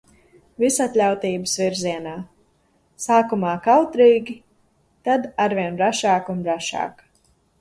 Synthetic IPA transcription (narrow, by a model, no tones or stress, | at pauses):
visat̪ʲlʲawt̪iːbəsviɾziɛnaː | saːkumaːkawt̪ɾiːɡʲi | t̪ad̪aɾvʲiɛnbɾaʃaːkunbɾaʃa̰ːk